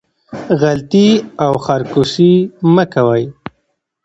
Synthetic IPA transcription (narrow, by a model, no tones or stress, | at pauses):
ɣalt̪iawxaɾkusiməkawaj